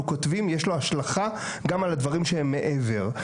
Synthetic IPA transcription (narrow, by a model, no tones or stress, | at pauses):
ukot̪vimjeʃlo̞aʃlaχa | ɡamalad̪vaʁimʃeɦemːe̞ʔeve̞ʁ